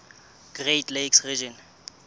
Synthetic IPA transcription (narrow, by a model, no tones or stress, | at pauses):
ɡ̥retleksrid͡ʒɔn